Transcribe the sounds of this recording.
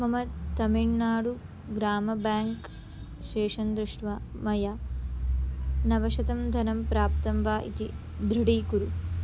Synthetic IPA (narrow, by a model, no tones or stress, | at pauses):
mɐmɐd̪t̪ɐmiɳːaːɽu | ɡɾaːmɐbaːŋk | ʃeːʂɐnd̪ɾuʂʈʋamɐjaː | nɐʋɐʃɐt̪ɐmd̪ʱɐnɐmpɾaːpt̪ɐmʋaːʔḭt̪ḭ | d̪ɾiɽiːkuɾu